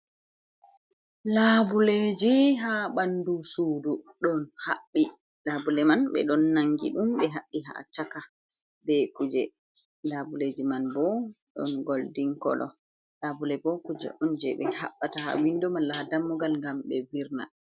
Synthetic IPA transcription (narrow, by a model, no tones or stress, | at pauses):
labuled͡ʒiɦaɓandusuːdu | ɗɔnha̰ɓːi | labulɛmanɓɛ̰ɗɔnːaŋɡḭɗumɓɛɦaɓːiɦa̰t͡ʃaka | bɛkud͡ʒɛ | labuled͡ʒimanbɔɗɔ̰nɡoldiŋkɔ̰lʔɔ̰ | labulɛbɔkud͡ʒɛ̰ʔɔnd͡ʒɛɓɛhaɓːataha̰windɔmanladamːuɡalŋɡamɓɛviɾna̰